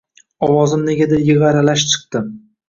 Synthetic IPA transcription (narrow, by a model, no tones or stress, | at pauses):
ɒwɒzɪmne̞ɡʲad̪ajɪʁɑɾalaʃt͡ʃʰɨ̥q̚t̪ɪm